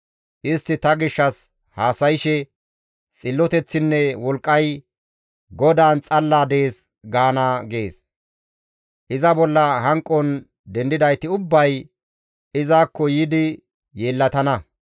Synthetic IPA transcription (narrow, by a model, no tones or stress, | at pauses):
ʔɪst̪ːɪt̪ɐɡɪʃːɐs | haːsɐjɪʃɛ | t͡sʼɪlːɔt̪ɛt͡sːɪnːɛwɔlkʼːɐj | ɡɔd̪aːnt͡sʼɐlːaːd̪e̞ːs | ɡaːnaːɡe̞ːs | ʔɪzɐbɔlːɐɦɐŋkʼːɔn | d̪ɛnd̪ɪd̪ɐjt̪ɪʊbːɐj | ɪzaːkːɔjiːd̪ɪ | jeːlːɐt̪ɐnɐ